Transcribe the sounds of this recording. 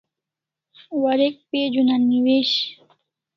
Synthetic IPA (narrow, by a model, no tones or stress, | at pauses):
waɾek̚ped͡ʒunanɪweʃ